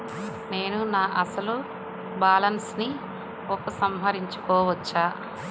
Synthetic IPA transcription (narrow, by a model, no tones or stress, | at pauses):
ne̞ːnunaːʔɐsɐlu | baːlɐnsni | ɔkɐsɐmɦɐɾiɲt͡ʃu̥kɔːʋɐt͡ʃːaː